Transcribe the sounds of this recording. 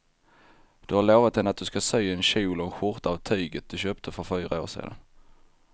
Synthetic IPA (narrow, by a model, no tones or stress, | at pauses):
d̪̥ɵhaɾɭoːvat̪̚d̪ɛnːat̪̚d̪ɵskasœjɛnɕuːlɔɧʊɾt̪aavt̪ʰyːɡət̪̚d̪̥ɵɕøːpt̪ʰəfœɾfyːɾao̰ːʂḭːd̪a̰n